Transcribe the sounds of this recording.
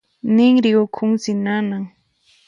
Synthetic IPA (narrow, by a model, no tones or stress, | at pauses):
nɪŋɾɪʊkʰʊŋsɪnanaŋ